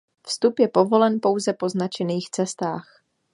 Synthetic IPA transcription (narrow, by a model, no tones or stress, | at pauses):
fst̪upjɛpo̞vo̞lɛnpo̞wzɛpo̞znat͡ʃɛniːxt͡sɛst̪aːx